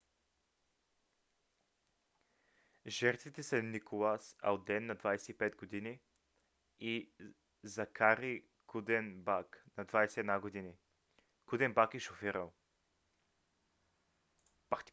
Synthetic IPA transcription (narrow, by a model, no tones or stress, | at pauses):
ʒɛɾt̪vit̪ɛsɐnikolˠasɐ̰lˠd̪ɛnːɐd̪vajsɛipɛd̪̚ɡod̪ini | i | zɐkaɾi | kud̪ɛnbaknɐd̪vajsɛɛd̪naɡod̪ini | kud̪ɛnbakɛʃofiɾəlˠ | pa